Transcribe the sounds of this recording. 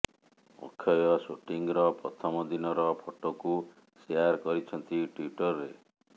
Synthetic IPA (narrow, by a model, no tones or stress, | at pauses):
mo̰kʰːjɔjɔsoʈiŋɾɔpɾɔt̪ʰɔmɔd̪inɔɾɔpʰoʈɔku | seaɾkɔɾit͡ʃʰɔnt̪iʈwiʈɔɾɾe